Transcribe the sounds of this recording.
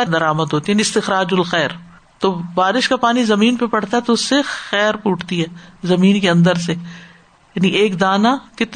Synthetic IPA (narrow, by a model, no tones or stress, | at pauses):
d̪ɐɾaːməd̪ʱɦoːt̪ijaniɪst̪ɪxɾaːd͡ʒʊlxɛːɾ | t̪oːbaːɾɪʃkapaːnizɐmiːnpepɐɽ̤t̪aɦɛt̪oʊsːexɛːɾpuːʈʰt̪iɦɛːzɐmiːnkeɐ̃nd̪əɾse | jaːniʔeːkd̪aːnakɪt̪